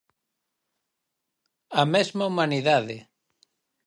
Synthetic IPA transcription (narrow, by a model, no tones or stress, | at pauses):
amezmaumãniðaðe